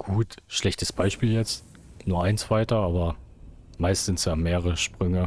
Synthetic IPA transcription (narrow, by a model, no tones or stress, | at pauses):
ɡ̥uːtʃlɛçtəsb̥aɪʃpiːljɛt͡st | nuːɐʔaɪnt͡sv̥aɪtɐaːbɐ | maɪstz̥ɪntsjaːmeːʁəʁəʃpʁ̥ʏŋə